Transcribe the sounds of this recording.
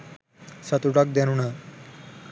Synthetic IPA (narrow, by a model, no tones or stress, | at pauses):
sat̪uʈak̚d̪ɛnuna